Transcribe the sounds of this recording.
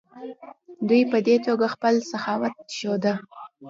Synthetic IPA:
d̪ujpəd̪et̪oɡaxpəlsaxɑwat̪̚ʃod̪a

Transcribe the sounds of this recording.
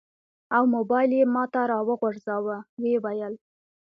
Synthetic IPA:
awmobɑjljemɑt̪aɾɑwəɣaɾzɑwəwewajəl

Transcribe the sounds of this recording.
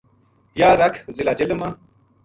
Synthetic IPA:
jaːɾɐkʰzilaːd͡ʑelema

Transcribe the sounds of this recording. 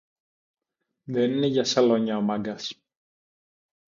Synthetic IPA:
ðenineʝɐsɐloɲɐomɐŋɡɐs

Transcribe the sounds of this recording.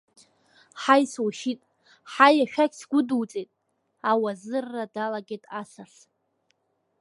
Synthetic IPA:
ħajswaʃitʼ | ħajaʃᶣakʲʼsɡʷʊduwt͡sʼejtʼ | awazɨrːadalaɡʲejtʼasaɬ

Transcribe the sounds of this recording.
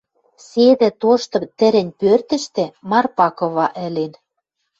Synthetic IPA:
sed̪ɘ̆t̪oʃt̪ɤ̆t̪ɘ̆ɾɘ̆nʲpørt̪ɘ̆ʃt̪ĕmɑrpɑkɤ̆βɑʔɘ̆len

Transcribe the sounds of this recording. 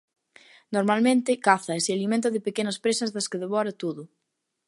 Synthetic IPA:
noɾmalmẽnt̪ɪkaθɐesealimẽnt̪ɐðɪpekenɐspɾesɐzðɐskɪðeβɔɾɐt̪oðʊ

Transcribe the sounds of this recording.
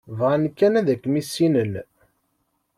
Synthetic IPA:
vʁankːænæðækːmisːinən

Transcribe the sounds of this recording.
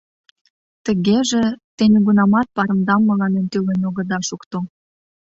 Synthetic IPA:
t̪ə̆ɣeʒet̪enʲeɡunɑmɑt̪̚pɑɾə̆md̪ɑmːəlɑnent̪ylenoɣə̆d̪ɑʃukt̪o

